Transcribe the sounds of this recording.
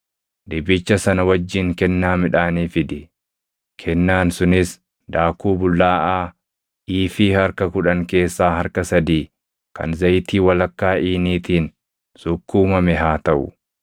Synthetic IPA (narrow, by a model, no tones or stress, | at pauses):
d̪ɪbɪt͡ʃːɐsɐnɐwɐd͡ʒːɪŋkɛnːaːmɪᶑaːniːfɪd̪ɪ | kʰɛnːaːnsʊnɪs | d̪aːkuːbʊlːaːʔaː | iːfiːhɐɾkɐkʊᶑɐŋke̞ːsːaːhɐɾkɐsɐd̪iː | kɐ̰nzɐjt̪iːwɐlɐkːaːʔiːniːt̪iːn | sʊkːuːmɐmɛɦaːt̪ɐʔʊ̰